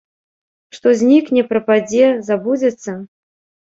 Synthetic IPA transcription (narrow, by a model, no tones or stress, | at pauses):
ʂt̪ɔzʲnʲiknʲɛpɾɐpad͡zʲɛzabud͡zʲɐt̪sːɐ